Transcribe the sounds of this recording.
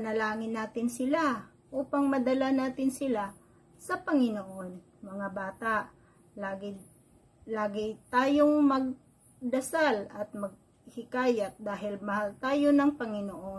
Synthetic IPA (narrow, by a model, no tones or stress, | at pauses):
ɐnɐlaːŋɪnːaːt̪ɪnsɪla | ʔuːpɐŋmɐd̪ɐlanaːt̪ɪnsɪla | sɐpɐŋɪnoʔon | mɐŋabaːt̪aʔ | laːɡɪ | laːɡɪt̪aːjoŋmɐɡ̚ | d̪ɐsalɐt̪̚mɐɡ̚ | kɪkaːjɐt̪̚d̪aːɦɪlmɐhalt̪aːjonɐŋpɐŋɪnoʔo